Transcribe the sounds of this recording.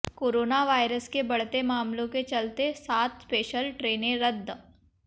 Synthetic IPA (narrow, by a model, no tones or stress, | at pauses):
koːɾoːnaʋaːɪɾəskebɐɽ̤t̪emaːmlõket͡ʃɐlt̪esaːt̪peːʃəlʈɾeːnẽɾəd̪ʱː